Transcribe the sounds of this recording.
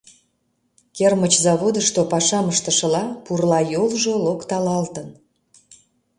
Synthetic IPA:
kermət͡ɕzɑβod̪əʃt̪opɑʃɑməʃt̪ə̆ʃə̆lɑpurlɑjolʒolokt̪ɑlɑlt̪ən

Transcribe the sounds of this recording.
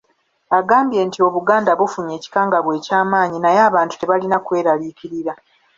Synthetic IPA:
aɡaːmbje̞ːntio̞βuɡaːndaβufuɲe̞ːci̥kaːŋɡaβwe̞ːcaːmaːɲinajeaːβaːntu̥te̞βalinakwe̞ːɾaliːkiɾiɾa

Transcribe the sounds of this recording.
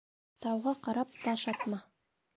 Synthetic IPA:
t̪ʰɑwʁɑqɑɾɑp̚t̪ɑʃɑt̪mɑ

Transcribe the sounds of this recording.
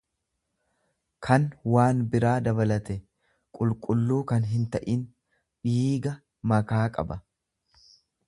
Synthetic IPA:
kʰɐnwaːnbɪɾaːd̪ɐbɐlɐt̪ɛ | kʼʊlkʼʊlːuːkɐnɦɪnt̪ɐʔɪn | ᶑiːɡɐ | mɐkaːkʼɐ̰bɐ

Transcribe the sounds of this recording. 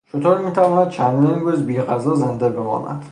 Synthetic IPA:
t͡ʃʰot̪ʰoɾmiːt̪ʰævɒːnæd̪̚t͡ʃʰænd̪d̪iːnɾuːzbiːʁæzɒːzend̪ebemɒ̰ːnæ̰d̪̥

